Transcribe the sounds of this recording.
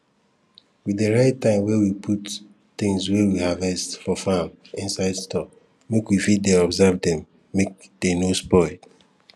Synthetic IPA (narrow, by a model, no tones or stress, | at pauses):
wideɾaɪtːãɪ̃mwɛwipʰut | tɪ̃ŋswɛwihavɛstfɔfam | ĩnsaɪdstɔk̚ | mekwifid̚deɔbzɛvdɛ̃mː | ek̚ | d̥enospɔɪl